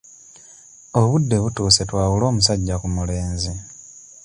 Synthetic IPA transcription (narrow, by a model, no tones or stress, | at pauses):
oβudːe̞βutuːse̞twaːwulo̞ːmusaɟːakumuleːnzi